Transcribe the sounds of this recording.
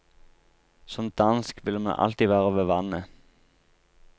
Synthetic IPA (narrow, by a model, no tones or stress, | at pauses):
sɔmd̪̥ɑnskʋɪləmɑ̰nʔɑ̰lt̪iʋæːʁəʋeːʋɑnə